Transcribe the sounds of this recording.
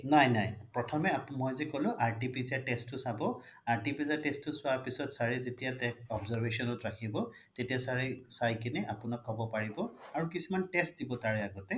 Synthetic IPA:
najnajpɹɔtʰɔmɛamɔjzɛkolʊ̃ʔaɹʈipiziaʈɛstʊsabɔ | aɹʈipizatɛstʊsʊwapisɔtsaɹezetijatɛkɔbzaɹbesɔnɔtɹakʰibɔ | tetijasaɹesajkinɛʔapʊnɔkʰːɔbɔpaɹibɔaɹukisimantɛst̚dibɔtaɹɛaɡɔtɛ

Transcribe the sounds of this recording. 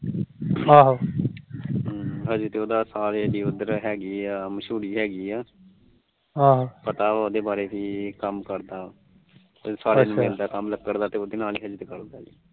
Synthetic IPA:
ɦaːɦo | ɦəd͡ʒt̪eːoːd̪aːsaːɾed̪iːʊd̪əɾɦɛːɡiːaːməʃuːɾiːɦɛːɡiːaː | ɦãːɦopət̪aːoːd̪eːbaːɾeːtiːkəmkəɾd̪aː | saːɾeːnũmɪld̪aːkəmləɡ̚kːəɾd̪aːt̪eːoːd̪eːnaːliːɦəd͡ʒt̪ekəɾd̪aːiː

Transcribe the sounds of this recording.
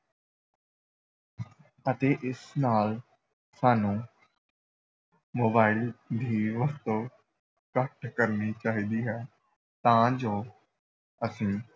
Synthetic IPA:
ət̪eːʔɪsnaːl | saːnũː | moːbaːɪld̪ʱiːʋəst̪õː | kəʈkəɾniːt͡ʃaːɦiːd̪iːɦɛː | t̪ãːd͡ʒoː | əsĩː

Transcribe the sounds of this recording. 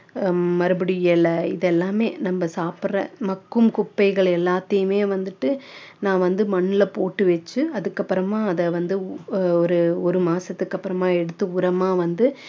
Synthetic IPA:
mɐɾɯbɐɽɪjɛɭɐɪðɛlːaːmeːnɐmːɐsaːprɐ̰mɐkːɯmkʊpːɐɪɣɐɭɛlːaːt̪ːɐjɯmeːʋɐnd̪ɯʈːɯnãːʋɐnd̪ɯmɐɳːɪlɐpoːʈːɯʋɛt͡ʃːɯɐðɯkːɐpːɯɾɐmãːɐðɐʋɐnd̪ɯɔɾɯɔɾɯmaːsɐt̪ːɯkːɐpːɯɾɐmãːɛɽɯt̪ːɯʊɾɐmaːʋɐnd̪ɯ

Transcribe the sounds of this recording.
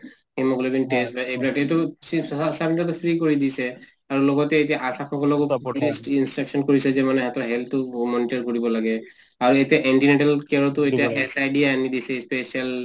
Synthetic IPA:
hemɔɡulebinʈesbaepɾaʈt̪ɔ | sabiʈat̪̬ɔfʰɾikoɹid̪isʰe | aɹuloɡɔt̪eːtiaʔasakʰɔkɔlɔkuisʈinsʈɾaksɔnkoɹisezemaneɦat̪ɾaɦelt̪umɔniʈaɹkoɹibɔlaɡe | auet̪eʔeɳʈineʈalkeɾɔt̪ueiaesajɖiaanid̪isʰespesial

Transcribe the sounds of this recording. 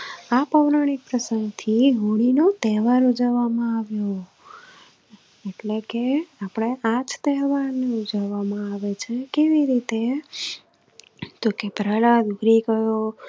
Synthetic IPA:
apəʋɾaɽ̃ik̚pɾəsəŋɡt̪ʰiɦuɽ̃inot̪ɛɦʋaɾud͡ʒəʋamãaʋjo | eʈlekeapɽ̃eʔat͡ʃt̪ɛɦʋaɾneud͡ʒaʋamãaʋet͡ʃʰekeʋiɾit̪e | t̪okepɾalad̪uɡɾikəjo

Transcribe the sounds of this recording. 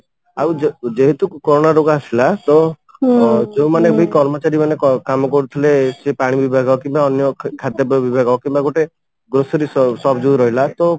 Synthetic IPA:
awd͡ʒd͡ʒeɦet̪ukɔɾoɽ̃aɾoɡaasilat̪ɔ | d͡ʒeũmanebuikɔɾmɔt͡ʃaɾimanekɔkamɔkɔɾut̪ʰilesepaɽ̃ibibʱaɡɔkĩmbaɔnjɔkʰad̪jɔbbibʱaɡɔkĩmbaɡoʈe | ɡɾosɔɾissɔbʱd͡ʒuɾɔɦilat̪ɔ

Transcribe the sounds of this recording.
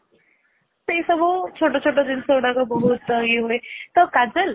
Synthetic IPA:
sejsɔbʱɔt͡ʃʰoʈɔt͡ʃʰoʈɔd̪insɔwɽakɔbɔɦut̪̚ːəŋɡiɦojt̪ɔkad͡ʒəl

